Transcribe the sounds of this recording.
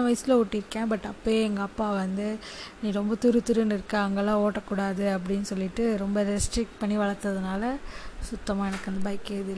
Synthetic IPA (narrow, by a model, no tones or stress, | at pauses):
ɐʋɐjsɪlɐʊʈːɪɾɯkːẽːbɐʈːɐpːoeːɛŋɡɐːpːaːʋɐnd̪ɯnĩːɾɔmbɐt̪ʊɾɯt̪ːʊɾɯnɪɾɯkːɐ̃ɐŋɡɐlːãːoːʈːɐkːuːɽaːðɯɐp̬ːɐɽɪnːɯsɔlːɪʈːɯɾɔmbɐɖɛsʈɾɪk̚ʈpɐɳːiʋɐɭɐɾt̪ːɐðɯnaːlɐsʊt̪ːɐmaːɛnɐkːɯɐnd̪ɐbɐːjɪkːeːɪðɯlː